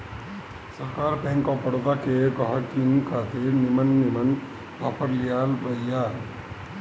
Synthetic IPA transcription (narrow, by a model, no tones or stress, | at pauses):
səɾkaɾpɛ̃ŋkɔpəɽot̪akekʌɦəkimkat̪ʰiɾnimənːimən | apʰəɾlijalbəjja